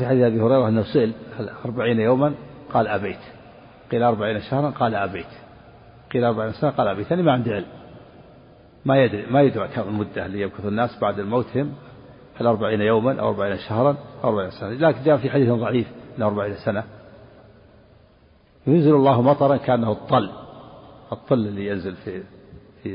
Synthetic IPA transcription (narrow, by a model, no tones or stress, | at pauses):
fiħad̪iːθʔabihʊɾɑjɾˤɑʔɪnːahʊsʊʔɪlhalʔɑɾˤbaʕiːnjoːmanqɑːlʔabeːt̪ | qiːlʔɑɾˤbaʕiːnaʃahɾˤɑnqɑːlaʔabeːt̪ | qiːlʔɑɾˤbaʕiːnasanaqɑːlʔabeːt̪ʔanimaʕɪnd̪iʕɪlm | majad̪ɾimajʊd̪ɾɑkamɪlmʊd̪ːalːijab̚kʊθʊnːaːsbaʕd̪almowːt̪hɪm | halʔɑɾˤbaʕiːnajowmanʔa̰wʔɑɾˤbaʕiːnaʃahɾˤɑnʔawʔɑɾbaʕiːnasanalaːkɪnd͡ʒaːfiħad̪iːθðˤɑʕiːfʔɪnːahɑɾˤbaʕiːnsana | jʊnzɪlɑlˤːɑːhmɑt̪ˤɑɾˤɑnkaʔanːaht̪ˤːɨlː | ʔɨt̪ˤːɨlːɪlːijanzɪlfi | fi